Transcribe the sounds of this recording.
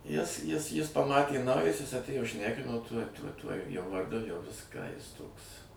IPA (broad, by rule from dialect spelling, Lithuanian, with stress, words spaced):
jɪs jɪs ˈjɪs pɐˈmɑːtʲeː nɐʊˈjɛs ˈjɪs ɐtʲˈeːjoː ˈʃʲnʲæːkʲɪnoː tuɔj tuɔj ˈtuɔj ˈjoː ʋɐrˈdʊ jɛʊ ˈʋʲɪskɑː ˈjɪs ˈtoːks